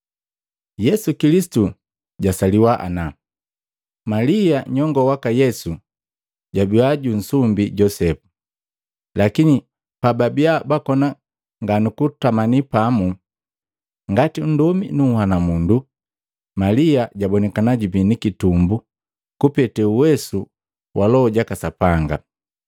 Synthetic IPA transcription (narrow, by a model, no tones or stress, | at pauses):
jɛsukilisi̥tu | ɟasaliwaʔa̰na | maliaɲɔŋɡɔwakajɛsu | ɟabiaɟun̩sumbiɟɔsɛpu̥ | lakini | pababiabakɔna | ŋɡanukutamanipamu | ŋɡatin̩dɔmḭnuhanamundu | maliaɟabɔnɛkanaɟubinikitumbu | kupɛtɛuwɛsu | wʔalɔɔɟakasapaŋɡa